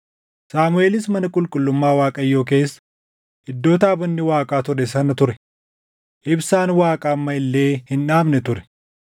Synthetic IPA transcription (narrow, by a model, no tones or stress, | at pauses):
saːmʊe̞ːlɪsmɐnɐkʼʊlkʼʊlːʊmːaːwaːkʼɐjːo̞ːk̬e̞ːsːɐ̥ | hɪd̪ːo̞ːt̪aːbɐnːɪwaːkʼaːt̪ʊɾɛs̬ɐnɐt̪ʊɾɛ | ʔɪbsaːnwaːkʼaːmːɐɪlːe̞ːhɪnᶑaːmnɛt̪ʊɾɛ̥